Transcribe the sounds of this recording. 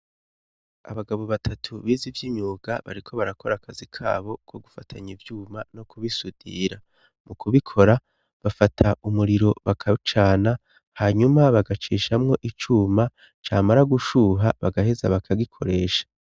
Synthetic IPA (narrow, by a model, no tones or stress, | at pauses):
a̰βaɡaβo̞βatʰatʰuβiːzivjimɲuːɡa̰βa̰ɾikʰo̞βaɾakʰo̞ɾakʰazikʰa̰ːβo̞kʰo̞ɡufatʰaɲivjuːmano̞kʰuβisudḭɾa | mukʰuβikʰo̞ɾa | βafatʰaʔumuɾiɾo̞βakʰat͡ʃaːna | haːɲumaβaɡat͡ʃiːʃamŋo̞ʔit͡ʃuːma | t͡ʃaːmaɾaɡuʃuɦaβaɡahezaβakʰaɡikʰo̞ɾe̞ːʃḁ